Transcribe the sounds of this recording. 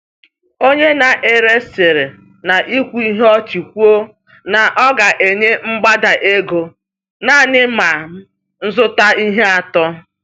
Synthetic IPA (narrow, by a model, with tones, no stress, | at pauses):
o˦ɲe˦na˨ʔe˨ɾe˦sɪ˨ɾɪ˨ | na˨ʔi˦kʷu˦i˦ɦe˦ɔ˦t͡ʃi˨kʷu˦o˦ | na˨ʔɔ˦ɡa˨ʔe˨ɲe˦ŋ͡m̩˦ɡ͡ba˦da˨ʔe˦ɡo˨ | na˦˨nɪ˦ma˨˦ | n̩˦zʊ˦ta˦i˦ɦe˦a˨tɔ˦